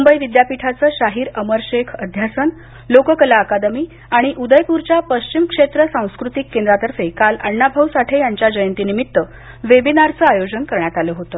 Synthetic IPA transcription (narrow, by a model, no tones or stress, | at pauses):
mumbəjʋid̪japiʈʰat͡səːɕaɦiːɾəməɾɕekʰəd̪ʱjasən | lokəkəlaːkad̪əmiː | aɽ̃iʔud̪əjpuɾt͡ɕjapəɕt͡ɕimkʂet̪ɾəsãw̃skɾut̪ikːend̪ɾat̪əɾfekaləɳːabʱəwsaʈʰejaɲt͡ɕjad͡ʑəjənt̪inimit̪ːə | ʋebinaɾt͡səːajod͡ʑənkəɾɳjat̪aləɦot̪əː